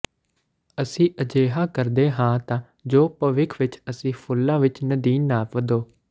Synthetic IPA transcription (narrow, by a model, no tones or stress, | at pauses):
əsĩːʔəd͡ʒeːɦãːkəɾd̪eːɦãːt̪ãː | d͡ʒoːpəʋɪkʰʋɪt͡ʃəsĩːpʰʊlːãːʋɪt͡ʃnəd̪iːnːaːpʋəd̪oː